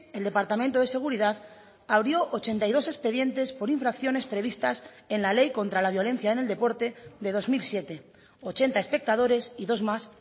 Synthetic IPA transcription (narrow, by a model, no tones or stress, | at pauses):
eld̪e̞paɾt̪amẽnt̪oð̞e̞se̞ɣ̞uɾiðað | aβ̞ɾjo̞ʔot͡ʃe̞nt̪ajð̞o̞se̞spe̞ðje̞nt̪e̞spo̞ɾiɱfɾakθjo̞ne̞spɾe̞β̞ist̪as | e̞nlale̞jko̞nt̪ɾalaβ̞jo̞le̞n̟θjaeneld̪e̞po̞ɾt̪e̞ðe̞ð̞o̞zmilsje̞t̪e̞ | o̞t͡ʃe̞nt̪ae̞spe̞k̚t̪að̞o̞ɾe̞siðo̞zmas